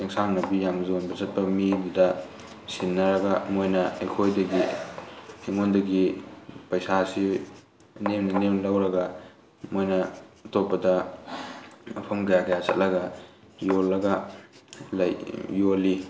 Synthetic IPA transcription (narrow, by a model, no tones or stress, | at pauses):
eŋsamnɐbijamzonbɐzɐt̚pɐmidudɐ | sinːɐɾɐɡɐmojnɐɐ̰jkʰojdɐɡi | eŋondɐɡipɐjsasi | nemnɐnemlɐwɾɐɡɐ | mojnɐtopːɐdɐ | ɐpʰɐmkɐjakɐjasɐt̚lɐɡɐ | jolːɐɡɐ | lɐjːoli